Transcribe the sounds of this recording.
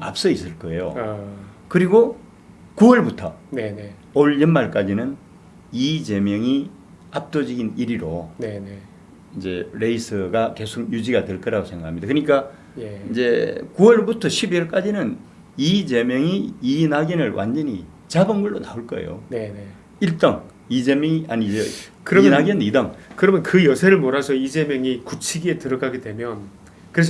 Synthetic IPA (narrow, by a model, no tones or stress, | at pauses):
a̰p̚s͈ʌis͈ɯɭk͈ʌe̞jo̰ | kɯɾiɡo | kuwʌɭbutʰʌnene | oɭjʌnmaɭk͈ad͡ʑinɯn | id͡ʑe̞mjʌŋi | ap̚t͈od͡ʑiɡiniɾiɾonen | ind͡ʑe̞ɾe̞isʰɯɡake̞sʰoɡ̚jud͡ʑiɡadwe̞ɭk͈ʌɾaɡosʰe̞ŋɡakʰamɲid̪akɯɲik͈a | ind͡ʑe̞kuwʌɭbutʰʌɕʰibiʌɭk͈ad͡ʑinɯn | id͡ʑe̞mjʌŋiinaɡinɯɭwʔa̰nd͡ʑʌɲi | t͡ɕabɯnɡɯɭːonaoɭk͈ʌḛjo̰nene | iɭt͈ʌŋ | id͡ʑemjʌŋianid͡ʑekɯɾʌinaɡiʌnidaŋkɯɾʌmjʌnkɯjʌsʰeɾɯɭmoɾasʰʌid͡ʑe̞mjʌŋikut͡ɕʰiɡietɯɾʌɡaɡedwe̞mjʌn | kɯɾes̬ʌ